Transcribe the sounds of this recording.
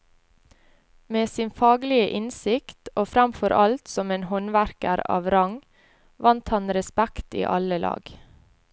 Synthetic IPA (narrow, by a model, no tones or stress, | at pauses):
meːsɪnfɑːɡlɪəʔɪnsɪkt̪ʔoːfɾɑmfɔɾʔɑlt̪sɔmeːnhɔnʋæɾkə̰ɾɑ̰ːʋɾɑŋ | ʋɑnt̪hɑnɾɛspækt̪ḭːʔɑləlɑ̰ːɡ̥